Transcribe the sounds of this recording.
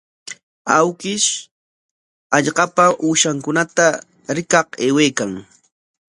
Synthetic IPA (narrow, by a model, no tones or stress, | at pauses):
awkɪʃ | ɑʎɢɑpaʔuːʃaŋkʊnat̪a | ɾɪkɑqeːweːkaŋ